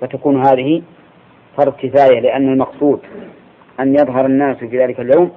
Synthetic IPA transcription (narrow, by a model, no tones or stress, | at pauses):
fat̪akuːnɦaːðɪhɪ | fɑɾˤd̪ˤkɪfaːjalɪʔanːalmɑqsˤuːd̪ | ʔanjɑðˤɦɑɾˤanːaːsfiːðaːlɪkaljawm